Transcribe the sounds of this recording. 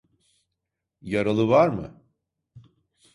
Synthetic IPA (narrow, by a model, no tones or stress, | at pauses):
jaɾalˠɯvaɾmɯ̰